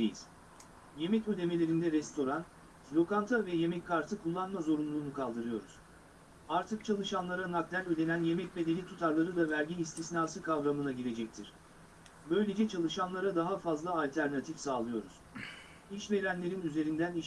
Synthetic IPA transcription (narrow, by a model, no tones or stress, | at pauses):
ejiz̥ | je̞mɛcød̪e̞me̞lʲe̞ɾind̪ɛɾɛst̪ʰo̞ɾan | slʲo̞kant̪ʰavɛje̞mɛckʰːaɾt̪ʰɯkʰulˠːanmazo̞ɾunlˠuːnukʰalˠd̪ɯɾɯjo̞ɾuz̥ | aɾt̪ʰɯk̚t͡ʃʰalˠɯʃanlˠaɾanak̚d̪ælø̞d̪e̞nænje̞mɛc̚be̞d̪e̞nʲit̪ʰut̪ʰaɾlˠaɾɯd̪avæɾɟʲinist̪ʰisnaːsɯkʰavɾamɯnaɟiɾe̞d͡ʒɛc̚t̪ʰiɾ̥ | bø̞jlʲe̞d͡ʒɛt͡ʃʰalˠɯʃanlˠaɾad̪aɦafazlˠaːlʲt̪ʰæɾnat̪ʰifsaːlˠɯjo̞ɾuz̥ | iʃve̞ɾænlʲe̞ɾinyze̞ɾind̪æni